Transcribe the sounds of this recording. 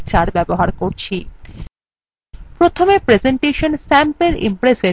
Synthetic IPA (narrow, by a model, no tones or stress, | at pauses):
t͡ɕaɾbɛboɦaɾkoɾt͡ɕʰi | pɾot̪ʰomepɾed͡ʑeɳʈeʃonsɛmpeɾḭmpɾese